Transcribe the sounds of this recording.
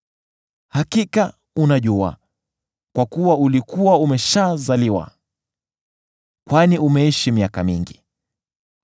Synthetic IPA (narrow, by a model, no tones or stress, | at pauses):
hakika | unaʄua̰ | kwakuwaulikuwaumɛʃazaliwa̰ | kwaniʔumɛiʃimiakamḭŋɡi